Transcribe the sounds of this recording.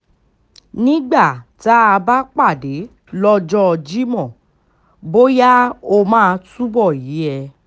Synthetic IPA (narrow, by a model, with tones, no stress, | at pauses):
nĩ˦ɡ͡ba˦˨ta˨˦a˧ba˦k͡pa˦˨de˨˦ | lɔ˧d͡ʒɔ˦ɔ˧d͡ʒi˦mɔ̃˦˨ | bo˦ja˦o˧mãː˦˧tu˦bɔ˦˨ji˨˦ɛ˧